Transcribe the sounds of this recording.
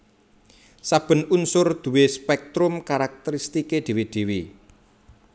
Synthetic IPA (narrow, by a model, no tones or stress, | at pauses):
sab̥ə̤nunsʊrd̪̥ṳwespɛk̚t̪ɾʊmkaɾak̚t̪əɾist̪iked̪̥i̤wid̪̥e̤wi